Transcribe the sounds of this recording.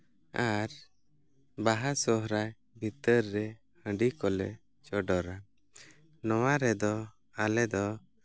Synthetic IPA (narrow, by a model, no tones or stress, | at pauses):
aɾ | baɦasɔɦɾaj | bʱit̪əɾːɛ | hə̃ɖikɔlɛ | t͡ʃɔɖɔɾa | nɔwaɾɛd̪ɔ | alɛd̪ɔ